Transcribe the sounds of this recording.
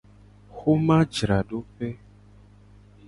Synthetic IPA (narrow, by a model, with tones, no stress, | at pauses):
xo˦mã˦d͡ʒɾa˨ɖo˦pɛ˦